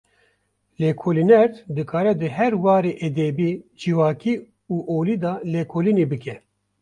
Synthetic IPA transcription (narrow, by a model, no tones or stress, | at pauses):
leːkʰoːlinɛɾt̪d̪ɨkʰaːɾɛd̪ɨɦɛɾwɑːɾeːʔed̪eːbiːd͡ʒiwaːkiː | uːʔoːliːd̪ɑːleːkʰoːlineːbɨkɛ